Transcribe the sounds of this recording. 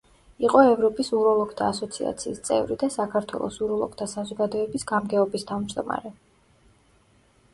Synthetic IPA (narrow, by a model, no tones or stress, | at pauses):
iqʼɔɛvɾɔpʼisuɾɔlˠɔkt̪ʰaːsɔt̪sʰia̰t̪sʰiːst̪sʼɛ̰vɾid̪asakʰaɾt̪ʰwɛ̰lˠɔ̰suɾɔlˠɔ̰k̚ʰt̪ʰasazɔɡad̪ɔɛbisɡ̥amɡɛɔbist̪ʰavmd͡ʒd̪ɔma̰ɾɛ